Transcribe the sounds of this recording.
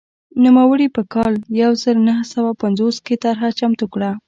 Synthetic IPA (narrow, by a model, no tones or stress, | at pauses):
nimawəɽipəkɑljawzəɾnaɦsawapanzosket̪aɾɦat͡ʃamt̪ukɽa